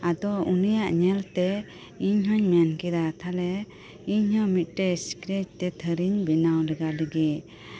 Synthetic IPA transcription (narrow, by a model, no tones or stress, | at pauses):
ad̪ɔunijaʔɲɛlt̪ɛ | iɲɦɔɲmɛankɛd̪at̪ʰalɛ | iɲhɔ̃mit̪̚ˀʈɛsi̥kɾed͡ʒt̪ɛt̪ʰəɾiɲbɛnawlɛɡaləɡi